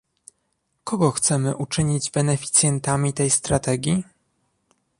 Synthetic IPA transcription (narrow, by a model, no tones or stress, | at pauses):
kɔɡɔxt̪sɛmɘʔut͡ʂɘɲid͡ʑbɛnɛfʲi̥t̪sʲjɛnt̪amʲit̪ɛjst̪ɾat̪ɛɡʲji